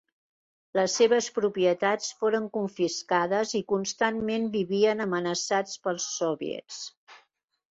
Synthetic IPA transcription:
ləsːeβəspɾupiət̪at͡sfoɾəŋkuɱfiskaðəzikunst̪anmembiβiənəmənəsat͡spəlˠsɔβḭə̰t͡s

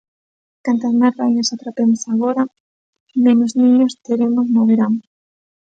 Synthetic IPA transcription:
kant̪azmaɾβajɲasat̪ɾapemosaɣoɾa | menoznĩɲost̪eɾemʊznoβeɾam

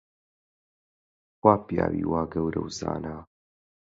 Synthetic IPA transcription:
xwaːpijaːwiwaːɡɐwɾɐ̰wza̰ːna

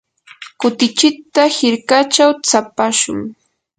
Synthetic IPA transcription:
kʊt̪ɪt͡ʃɪt̪ahɪɾkat͡ʃawt͡sapaʃʊ̰ŋ

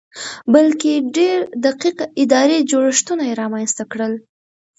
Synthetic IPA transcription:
balkeɖeɾd̪aqiqɪd̪ɑɾed͡ʒoɽəʂt̪unajeɾɑmanst̪akɽəl

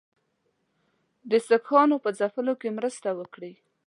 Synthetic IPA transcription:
d̪əsəkxɑnopəzafəlokemɾəst̪awəkɽi

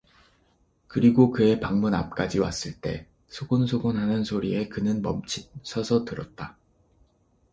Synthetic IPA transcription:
kɯɾiɡokɯe̞paŋmuna̰p̚k͈ad͡ʑiwa̰s͈ɯɭt͈e̞̰ | sʰoɡonsʰoɡonɦanɯnsʰoɾie̞kɯnɯnmʌ̰mt͡ɕʰisʰʌsʰʌtɯɾʌt̚t͈a

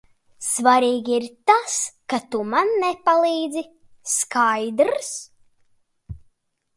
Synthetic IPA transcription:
svaɾiːɡʲiiɾt̪askat̪umanːɛpalˠiːd̪zi | skajd̪ɾs

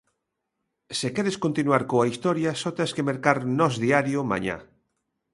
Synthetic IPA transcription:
sekɛɾeskont̪inwaɾkoaist̪ɔɾjasɔt̪eskemeɾkaɾnɔzðiaɾjomã̰ɲã̰

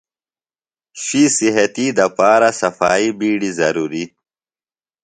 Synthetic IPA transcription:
ɕisiɦɐt̪id̪ɐpaːɾasɐfaːibiːɽizɐɾuːɾi

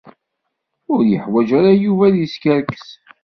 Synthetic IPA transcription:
ʊɾjəħwæd͡ʒaɾajuvæðjiskəɾkə̥s

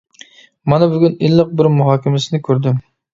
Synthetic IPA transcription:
mɑnɛbʊɡʲynɪlˠːɨq̚bɪɾmʊɦɑːkʲɪmɪsɪnɪkʲʰøɾd̪ɪm

